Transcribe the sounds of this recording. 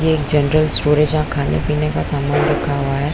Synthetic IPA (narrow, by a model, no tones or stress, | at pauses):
jeːkd͡ʒɐnɾəlsʈoːɾẽd͡ʒɦãkʰaːnḛpiːnekasaːmənɾɐkʰaɦuaɦɛː